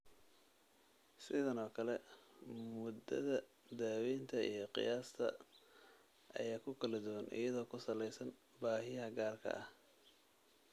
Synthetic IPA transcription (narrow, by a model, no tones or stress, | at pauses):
sɪðɐnɔːkʰɐlɛ | mʊd̪ɐ̰ðɐ | d̪aːwiːnt̪ʰɐijɞqɪ̰jaːst̪ʰɐ̰ | ʔɐ̰jaːkʰʊkʰɐlɐd̪ʊwɐnʔɪ̰jɐðɔːkʰʊsɐlɛjsɐn | baːɦɪjɐɦɐɡaːrkʰɐ̰ʔɐh